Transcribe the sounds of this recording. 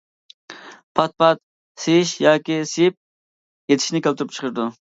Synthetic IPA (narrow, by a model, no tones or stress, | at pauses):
pʰɑt̪̚pʰɑt̪̚ | sejiʃjɑːkʲisejip̚ | jet̪ʰɪ̥ʃnɪkʲʰelt̪ʰʊɾup̚t͡ʃʰə̥qʰəɾɨd̪u